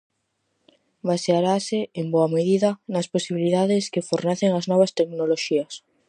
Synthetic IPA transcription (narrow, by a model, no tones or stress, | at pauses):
βaseaɾasɪemboɐmeðiðɐnɐsposiβiliðaðɪskefoɾneθeŋɐznɔβ̞ɐst̪eknoloʃiɐs